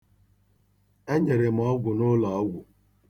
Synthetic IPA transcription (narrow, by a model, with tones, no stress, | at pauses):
e˦ɲe˨ɾe˨m̩˨ɔ˦ɡʷʊ˨nʊ˦la˨ɔ˦ɡʷʊ˨